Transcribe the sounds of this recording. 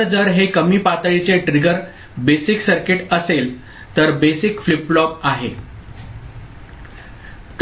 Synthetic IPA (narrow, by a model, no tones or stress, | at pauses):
d͡zəɾɦekəmiːpat̪əɭit͡seʈɾiɡəɾ | besiksəɾkeʈəsel | t̪əɾbesikfliplɔpaɦḛ | t̪